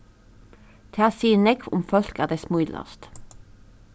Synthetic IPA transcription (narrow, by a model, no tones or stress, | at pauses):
t̪ʰæːsiːnɛɡʋʊ̰mfɔlkæːʁd̪eːsmuːd̪lɑ̰st̪